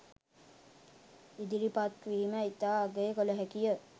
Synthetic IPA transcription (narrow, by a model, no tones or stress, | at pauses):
id̪iɾipat̪ʋiiməit̪aːɡəjkoləɦækijə